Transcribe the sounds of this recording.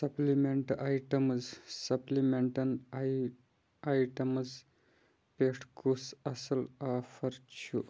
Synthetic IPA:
sɐplimeɳʈajʈɐmzsɐplimeɳʈɐn | ajʈɐmz | peʂʈʰkusɐsəlafɐɾt͡ʃʰu

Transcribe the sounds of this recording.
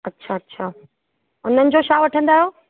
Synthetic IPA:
ɐtːɕʰaːɐtːɕʰaː | ʊn̤ənɪ̆d͡ʑoʃaːʋɐʈʰə̃nd̪aːɦjoː

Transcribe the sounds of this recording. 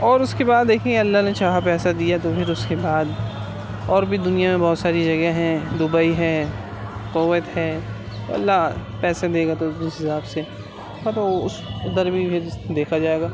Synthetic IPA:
ɔːɾʊskebaːd̪ːeːkʰẽɡeɐlːanet͡ʃaːɦapɛːsad̪ijat̪opʰɪɾʊskebaːd̪ | ɔːɾbʱid̪ʊnijamẽbɔːt̪saːɾid͡ʒɐɡɛɦɛ̃d̪ʊbaiɦɛː | qʊwət̪ɦɛː | t̪o̰ɐ̰lːapɛːsed̪eːɡat̪oɦɪsaːbse | at̪oʊsɐd̪əɾbʱipʰɪɾd̪eːkʰad͡ʒaːeːɡaː

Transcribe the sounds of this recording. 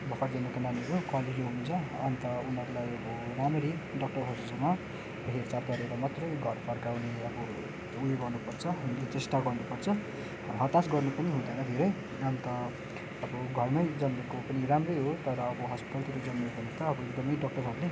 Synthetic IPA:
bʱʌkʰʌʈd͡zʌnekananiɾokwaliileɦunt͡sʰʌʌnt̪ʌunʌɾulajʌbʌramɾiɖʌk̚ʈʌrɦʌsud͡zʌna | ɦeɾt͡sapʌɾeɾʌmat̪rʌjɡʱʌrpʰʌrkawneʌbʌ | ujeɡʱʌrnupʌrt͡sʰʌunlet͡sesʈaɡʌrnupʌrt͡sʰʌ | ɦʌt̪asɡʌrnupʌniɦũd̪ʌnʌd̪ʱeɾʌj | ʌnt̪ʌː | bʌɡʱʌrnʌjd͡zʌmmekopʌniɾamrʌjɦot̪ʌɾʌːbʌɦʌspi̥t̪alt̪ʰikod͡zʌmmebʌnit̪ʌːbʌek̚d̪ʌmʌjɖʌk̚ʈʌɾɦʌɾule

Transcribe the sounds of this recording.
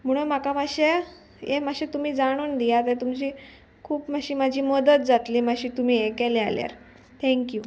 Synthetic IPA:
m̤əɽ̃um̤akamaɕe | jemaɕet̪um̤iːd͡zaɽ̃uːnd̪ijat̪̬et̪umt͡ɕiː | kʰuːpmaɕiːmad͡ʑʱiːməd̪ət̪̚d͡zat̪liːmaɕiːt̪um̤iːekɛlea̰lja̰ɾ | t̪ʰɛ̃ŋkju

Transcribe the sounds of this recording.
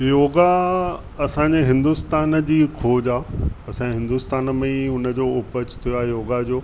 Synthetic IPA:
joːɡa | ɐsãːɲd͡ʑeɦɪ̃nd̪ust̪aːnd͡ʑiːkʰoːd͡ʑaːɐsãɦɪ̃nd̪ust̪aːnmẽʊnə̆d͡ʑoːʊpət͡ɕʰt̪ʰijoaːjoːɡad͡ʑoː

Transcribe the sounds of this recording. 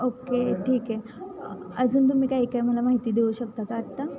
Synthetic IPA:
okeʈʰiːke | əd͡zuːnt̪̬um̤iːkaɦiːkaiməlamaɦit̪iːd̪euɕəkt̪akaːʈt̪a

